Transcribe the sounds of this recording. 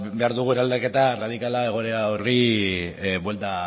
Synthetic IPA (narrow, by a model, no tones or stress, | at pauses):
be̞aɾðuɣueɾald̪ake̞t̪arað̞ikalae̞ɣ̞o̞ɾeaori | bwe̞lt̪a